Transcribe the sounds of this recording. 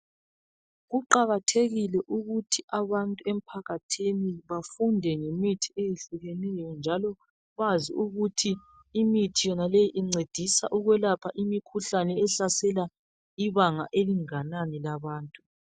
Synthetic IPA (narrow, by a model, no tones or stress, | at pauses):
ɣuǃaɣatʰeɣilɛʔuɣutʰiʔaβantʼuɛm̩pʰaɣatʰiniβafundʱɛŋemitʰiejeɬuɣɛnɛjɔnd͡ʒʱalɔ | βaziuɣutʰiː | mitʰijɔnalejiʔiŋ͡ǀed̥ʱisa̰ʔuɣwɛlapʰaʔimikʰuɬanɛːɬasɛla | iβaŋaʔeliŋananɛlaβaːntʼu